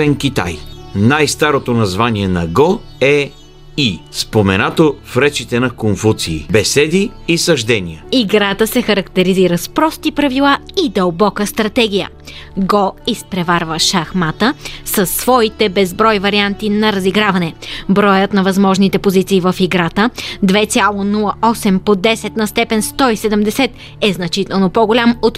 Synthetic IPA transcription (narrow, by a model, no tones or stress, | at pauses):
ɛnkʲit̪a̰jnajst̪aɾot̪onɐzvaniɛnɐɡɔ | ɛ | ispomɛnat̪ofɾɛt͡ʃit̪ɛnɐkonfut̪siːbɛsɛd̪iːsɐʒd̪ɛnijəiɡɾat̪əsɛxɐɾɐkt̪ɛɾiziɾəspɾɔst̪ipɾɐvilˠaid̪əlˠbɔkəst̪ɾɐt̪ɛɡ̟ʲijə̰ | ɡoispɾɛvaɾvəʃaxmat̪əsəsːvɔit̪ɛbɛzbɾɔjvɐɾiant̪inɐɾɐziɡɾavɐnɛbɾɔjət̪nɐvɐzmɔʒnit̪ɛpozit̪siːvəfiɡɾat̪əd̪vɛt̪sʲalˠonulˠəʔɔsɛmpod̪ɛsɛt̪nɐst̪ɛpɛnst̪ɔisɛd̪əmd̪ɛsɛt̪ | ɛznɐt͡ʃit̪ɛlˠnopoɡolʲamot̪